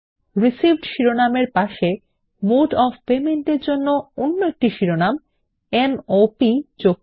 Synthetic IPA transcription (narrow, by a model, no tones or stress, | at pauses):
ɾisibʱɖʃiɾonameɾpaʃe | muʈɔfpemeɳʈeɾd͡ʑonːoonːoek̚ʈiʃiɾonam | enopid͡ʑok̚